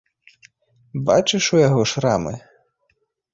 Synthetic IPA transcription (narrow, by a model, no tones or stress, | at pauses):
bɑt͡ʃɪʃʊjɐɦɔʃɾɑmɪ̰